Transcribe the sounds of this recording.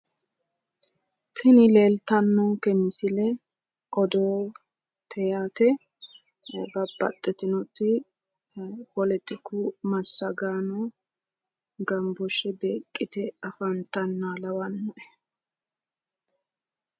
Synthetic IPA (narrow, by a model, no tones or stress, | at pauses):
t̪ʰɪnɪle̞ːlt̪ɐnːɔkɛmɪsɪlɛ | ʔɔd̪oː | t̪ʰɛjaːt̪ɛ | bɐbːɐ̰t̪ʼːɛt̪ɪnɔt̪ːɪ | wɔlɛt̪ːɪkːʊmɐsːɐɡaːnɔ | ɡɐmbɔʃɛbeːkʼːɪt̪ɛɐfɐnt̪ːɐnːaːlɐwɐnːɔʔɛ̥